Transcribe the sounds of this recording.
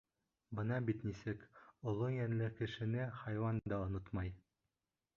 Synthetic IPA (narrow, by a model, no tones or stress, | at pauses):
bɤnɑbit̪nisɘkŏlˠojænlɘkɘ̆ʃɘ̆nɘχɑjwɑnd̪ɑŏnot̪mɑj